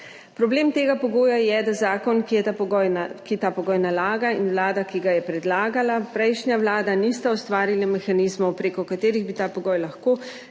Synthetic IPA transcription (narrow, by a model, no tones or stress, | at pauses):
pɾɔbleːmt̪eːɡapɔɡoːjajɛd̪azaːkɔnkijɛt̪akit̪apɔɡɔːjnalaːɡainʋlaːd̪akiɡajɛpɾɛd̪laːɡalapɾɛjʃnjawlaːd̪anist̪aɔst̪ʋaːɾilamɛxaniːzmɔwpɾeːkɔkat̪eːɾiɣbit̪aːpɔɡɔːjlaxkoː